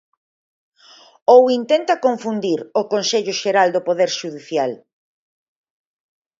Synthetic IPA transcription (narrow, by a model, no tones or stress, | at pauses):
owint̪ent̪ɐkoɱfund̪iɾʊkonseʎʊʃeɾald̪opoðeɾʃuðiθjal